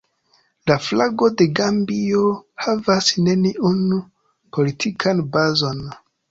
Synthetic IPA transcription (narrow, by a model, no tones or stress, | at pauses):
laflaɡo̞de̞ɡambio̞havasne̞niunu | pʰo̞litʰikʰanbazo̞n